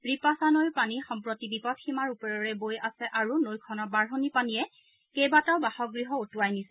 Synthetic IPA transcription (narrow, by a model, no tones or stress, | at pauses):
ɹipasanojpanixɔmpɹɔtibipɔtʰximaɹupɔɹɔɹɛbojasɛʔaɹunojkʰɔnɔbaɹɦɔnipanijɛ | kejbataʊbahɔɡɹiɦɔotuajnisɛ